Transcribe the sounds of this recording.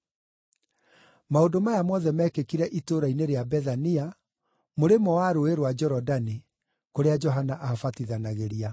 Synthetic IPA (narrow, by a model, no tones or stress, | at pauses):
maodomajamɔðɛmɛːkekiɾɛʔitoɾaineɾeabɛðania | moɾemɔwaɾoeɾwad͡ʒɔɾɔdani | koɾead͡ʒɔɦanaʔafatiðanaɣeɾia